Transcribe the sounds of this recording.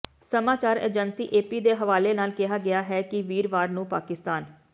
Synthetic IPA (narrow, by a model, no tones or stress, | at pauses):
səmaːt͡ʃaːɾḛːd͡ʒənsiːʔeːpiːd̪eːɦəʋaːleːnaːlkɪɦaːɡɪaːɦɛːkɪʋiːɾʋaːɾnũːpaːkɪst̪aːn